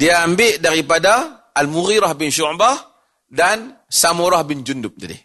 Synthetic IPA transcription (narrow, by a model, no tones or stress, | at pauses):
diaːmbiʔdaɾipada | ʔːlmuɣiɾahbinʃuʕba | dan | samuɾahbind͡ʒundup̚tadḭ